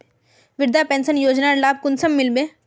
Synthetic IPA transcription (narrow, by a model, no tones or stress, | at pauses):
ʋɪɾd̪ʱapẽːnsənjoːd͡ʒnaɾlaːb̚kʊnsəmːɪlbeː